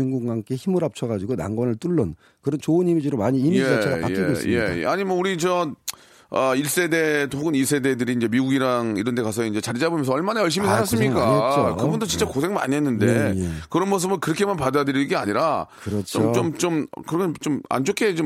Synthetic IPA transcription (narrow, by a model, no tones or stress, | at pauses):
uŋɡuŋɡaŋk͈eçimɯɾap̚t͡ɕʰʌɣad͡ʑiɡona̰ŋɡwʌnɯɭt͈uɭːʌn | kɯɾʌnt͡ɕoɯnimid͡ʑiɾomaɲiːmijeaaajek͈ḭoije̞̰ḛaɲimʌnuɾit͡ɕʌ | ʌiɭs͈e̞de̞toɡɯniɭs͈e̞dedɯɾiːnd͡ʑe̞miɡuɡiɾaŋiɾʌnde̞kasʰʌind͡ʑe̞t͡ɕaɾid͡ʑabomjʌsʌɭmanajʌɭɕ̬͈imisʰaɾas͈ɯmɲik͈akɯbundot͡ɕint͡ɕ͈akos̬ʰe̞ŋma̰ɲiɦenːɯnde̞jkɯɾʌnmʌns̬ɯbɯnkɯɾʌkʰe̞manpadajadɯɾiɡea̰ɲiɾakɯɾʌt͡ɕʰt͡ɕomt͡ɕomt͡ɕom̰kɯɾʌɡʌt͡ɕoma̰nd͡ʑokʰet͡ɕo